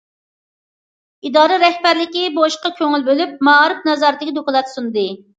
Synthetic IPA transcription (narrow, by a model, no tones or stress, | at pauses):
id̪ɑːɾɨɾɛhbæɾlɪkʲiboʃqɑkʲʰøŋylbølyp̚mɑɾɨpnɑzɑɾt̪ɪkʲid̪okɨlˠɑt̪sund̪ɨ